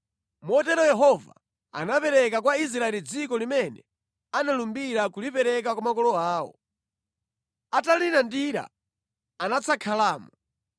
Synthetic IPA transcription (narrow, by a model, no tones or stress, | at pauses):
mɔtɛɾɔjɛɦɔva̰ | a̰napɛɾɛkakwais̬ɾaɛlid͡zikɔlimɛnɛ | analumbiɾakulipɛɾɛk̬akwumakɔlɔaːɔ̰ | atalinandiɾa̰ | anat͡sʰakʰalaːmɔ